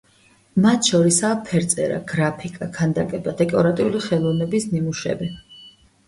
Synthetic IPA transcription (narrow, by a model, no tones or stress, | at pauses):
mat̪ʰʃɔɾisaːpʰɛɾt̪sʼɛ̰ɾa̰ɡ̥ɾapʰikʼakʰand̪akʼɛbad̪ɛkʼɔɾat̪ʼiuliχɛlˠɔvnɛbisnimuʃɛ̰bi